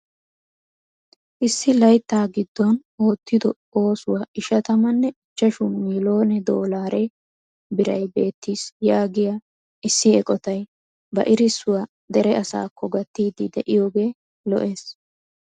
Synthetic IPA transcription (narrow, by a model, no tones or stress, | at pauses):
ʔɪsːɪlɐjt̪ːaːɡɪd̪ːɔnoːt̪ːɪd̪ɔ | o̞ːsʊwaːʔɪʃɐt̪ɐmɐnːɛɪt͡ʃːɐʃʊmiːlo̞ːnɛd̪oːlaːɾɛ | bɪɾɐjbe̞ːt̪ːiːsjaːɡɪja | ʔɪsːɪɛkʼɔt̪ɐj | bɐ̰ʔɪɾɪsːʊwaː | d̪ɛɾɛɐsa̰ːkːɔɡɐt̪ːiːd̪ɪd̪ɛʔɪjo̞ːɡe̞ː | lɔ̰ʔe̞ːs